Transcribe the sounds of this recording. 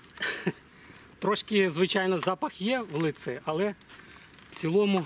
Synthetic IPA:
t̪ɾɔʃkɪzʋɪt͡ʃɑjnɔzɑpɐxjɛwlˠɪt̪sɛɐlˠɛ | t͡sʲilˠɔmʊ

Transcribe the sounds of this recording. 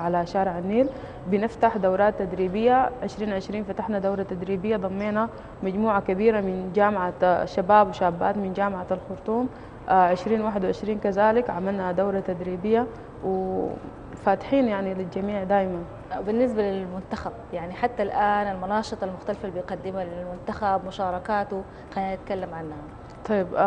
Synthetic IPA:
ʕalaʃaːɾʕanːiːl | binɪft̪aħd̪awɾaːt̪ːad̪ɾiːbɪjːaʕɪʃɾiːnʕɪʃɾiːnfat̪aħnad̪awɾˤat̪ad̪ɾiːbɪjːad̪ˤɑmːeːna | mad͡ʒmuːʕakabiːɾamɪnd͡ʒaːmʕaʃːabaːbwiʃaːbːa̰ːt̪mɪnd͡ʒaːmʕaalxʊɾt̪ˤuːm | ʕɪʃɾiːnwaːħɪd̪wɪʕɪʃɾiːnkazaːlikʕamalnad̪awɾˤat̪ad̪ɾiːbɪjːa | wɪ | faːt̪ɪ̥ħiːnjaʕnilild͡ʒamiːʕd̪aːjman | bɪnːɪs̬balɪlmʊnt̪axab̚jaʕniħat̪ːalʔaːnalmʊnɑːʃɨt̪ˤɑlmʊxt̪alfalbɪjqɑd̪ːɪmalɪlmʊnt̪axabmʊʃɑːɾˤɑkaːt̪u | qaːnɪt̪kalːamʕanːha | t̪ˤɑjːib

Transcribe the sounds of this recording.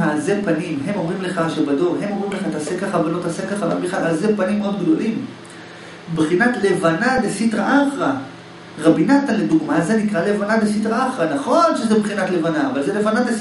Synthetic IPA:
azepanimɦe̞mo̞mʁimle̞χaʃebado̞ʁɦe̞momʁimleχat̪aːsekːaχavelo̞t̪aːsekːaχala̰biχaazepanimod̪ɡd̪o̞lim | bχinatle̞vanadesit̪ʁaʔaχʁa | ʁabinat̪anled̪uɡmazenikʁalevanad̪esit̪ʁaaχʁanaχo̞nʃezebχinat̪le̞vanaːvalzele̞vanad̪es

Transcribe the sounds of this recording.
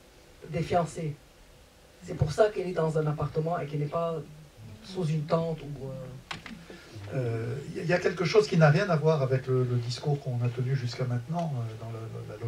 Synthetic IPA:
d̪efjɑ̃se | sɛpuʁsakɛlɛd̪ɑ̃zɛ̃napaʁt̪əmɑ̃ekɛnɛpa | suzynt̪ɑ̃t̪uø | øijailjakʲɛlkəʃozkʲinaʁjɛ̃navwaʁavɛklələd̪iskuʁkɔ̃nat̪ənyʒyskamɛ̃t̪nɑ̃ød̪ɑ̃lə̰lal

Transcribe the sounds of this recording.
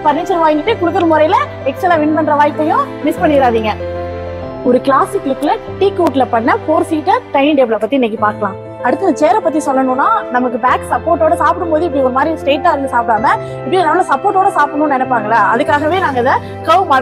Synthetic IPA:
pɐɾnɪɲd͡ʒɐɾʋaːjɪŋɡɪʈːɯkʊɽɯt̪ːɐlmʊɾɐɪɪlɐ | ɛksɛlãːʋɪnpɐnɖɾɐʋaːjɪp̪ːɐjʊ̃ | mɪspɐɳːɪɪɾaːðiːŋɡɐ | ɔɾɯkɪlaːsɪkːlɪkːlɐʈiːkuːʈːɪlɐpɐɳːɐfoːɾsiːʈːɐʈɐɪnɖɛːblɐpːɐt̪ːinɛk̬ːipaːɾkɐlãː | ɐɽɯt̪ːɐnɐt͡ʃeːɾɛpɐt̪ːisɔlːɐnũːnːaːnɐmɐkːɯbaːksɐpːoːɾʈːoːɽɐsaːpɯɽɯmpoːðɯɪpːɐɽiɔɾɯmaːd̪ɾisʈeːʈːaːɾɪɯsaːp̚ɽaːŋɐ | ɪpːɐɽinɐmːɐlɐsɐpːoːɾʈːoːɽɐsaːpɐɳʊ̃nɛnɛpːaːŋɡɐlaːɐðɯkːaːɣɐʋeːnaːŋɡɐðɐ | kɐʋmaːɽ

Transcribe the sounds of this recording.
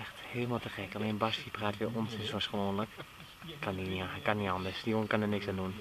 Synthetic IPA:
ɛxtheːləmalˠtəxɛkaleːnbastipraːtʋiʔɔntɪsoəsxəʋoːnlək | kaniakanːiɑndəsdionkɔnənɪksandun

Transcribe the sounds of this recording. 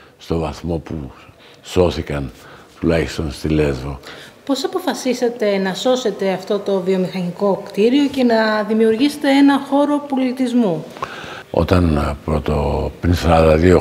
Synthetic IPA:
st̪o̞vɐθmo̞pu | so̞θikɐnt̪ulɐçist̪o̞nst̪ile̞zvopo̞sɐpo̞fɐsise̞t̪e̞nɐso̞se̞t̪e̞ɐft̪o̞t̪o̞vio̞mixɐniko̞kt̪iɾio̞ce̞nɐðimiuɾʝise̥t̪e̞enɐxo̞ɾo̞po̞lit̪izmu | o̰t̪ɐnpɾot̪opɾinsɐɐðd̪ɐðio

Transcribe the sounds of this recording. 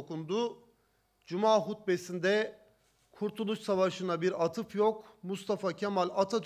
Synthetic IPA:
okund̪u | d͡ʒumaːɦut̪̚besind̪ɛ | kʰuɾt̪ʰulˠuʃsavaʃɯnabiɾat̪ʰɯfjokmust̪ʰafacʰemalʲat̪ʰa

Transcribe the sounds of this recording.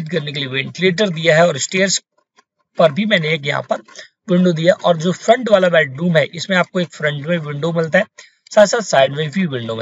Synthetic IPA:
ʈkɐɾnek̬eliʋẽɳʈleːʈ̬əɾd̪ijaɦɛɔːɾsʈeːɾs | pɐɾbʱimɛ̃ːneeːk̬jɐɦã̰pɐɾ | ʋɪ̃ɳɖod̪ijaʔɔːɾd͡ʒoːfɾɐ̃ɳʈʋaːlabɛːʈ̚ɾuːmɦɛʔɪsmẽaːp̚koeːkfɾɐ̃ɳʈmẽʋɪ̃ɳɖomɪlt̪aɦɛ | saːt̪saːt̪saːɪɖmẽbʱiʋɪ̃ɳɖomẽː

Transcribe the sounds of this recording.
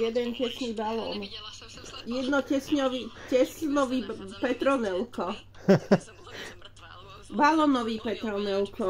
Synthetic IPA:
jɛd̪ɛncɛsniːbalɔ̰ːn | jɛd̪nɔcɛsɲɔʋicɛsnɔʋiːpɛt̪ɾɔnɛlkɔ | balɔːnɔʋiːpɛt̪ɾɔnɛlkɔ

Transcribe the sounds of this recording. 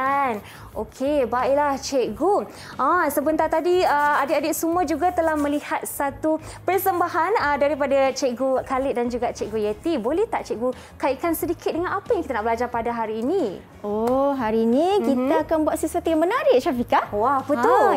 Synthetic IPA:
an | ʔokʰebaiʔlaht͡ʃɛɡu | ʔasəbənt̪art̪adiəadɪt̪adɪʔ̚sumuãd͡ʒuɡat̪əlahmə̃lihat̪̚sat̪upərsəmbaɦanədaɾipadat͡ʃeʔɡukalɪʔdand͡ʒuɡaʔt͡ʃɛʔɡujet̪ibolɛht̪aʔt͡ʃɛʔɡu | kaiʔkansədikɪt̪̚dəŋanapajaŋkit̪anaʔbəlad͡ʒarpadaɦaɾiːni | oɦaɾiːnikit̪aːkanbuat̪sisuat̪ujaŋmənaɾɪʔʃafikawahbət̪ʊ

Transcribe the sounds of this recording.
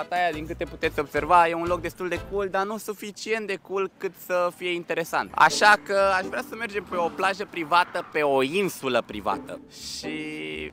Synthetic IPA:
fat̪ajad̪iŋkɨt̪e̞pu̥t̪e̞t̪sʲo̞bse̞rvaje̞unlo̞k̚d̪est̪uld̪e̞kuld̪anusufit͡ʃie̞nt̪̚d̪e̞kulkɨt̪səfije̞int̪e̞ɾe̞sa̰nt̪a̰ʃakəaʃvɾeasəme̞rd͡ʒe̞mpe̞o̞plaʒəpɾivat̪əpe̞o̞insuləpɾiva̰t̪ə̰ | ʃi

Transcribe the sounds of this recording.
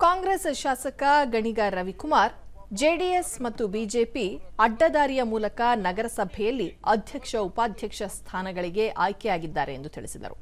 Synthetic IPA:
kaːŋɡɾesʃaːsɐkɐɡɐɳiɡɐɾɐʋikumaːɾd͡ʒeːɖiesmɐt̪ːubiːd͡ʒe̞ːpiɐɖːɐd̪aːɾijɐmuːlɐkɐnɐɡɐɾɐsɐbʱɛjɐlːiɐd̪ʱjɐkʂɐupaːd̪ʱjɐkʂɐst̪ʰaːnɐɡɐɭiɡe̞ʔaːjkɛjaːɡid̪ːaːɾe̞end̪ut̪ʰiɭisid̪ɐ̰ɾṵ

